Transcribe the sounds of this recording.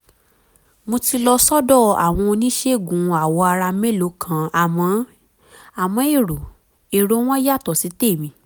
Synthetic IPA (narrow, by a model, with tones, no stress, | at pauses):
mo˧ti˧lɔ˧sɔ˦dɔ˦˨a̰˨w̃ɔ̃˧o˧nĩ˦ʃe˦˨ɡũ˨a˨wɔ˧a˧ɾa˧me˦˨lo˨˦kʰã˨a˨mɔ̃˨˦ | a˨mɔ̃˨˧˦e˦˨ɾo˨ | e˨ɾo˨˦w̃ɔ̃˦ja˦˨tɔ˨si˨˦te˦˨mĩ˧